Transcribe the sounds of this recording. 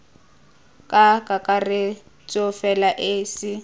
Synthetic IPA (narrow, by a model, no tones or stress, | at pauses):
kʼakʼakʼarɪ | t͡sʼɔfɛlaʔeːsɪ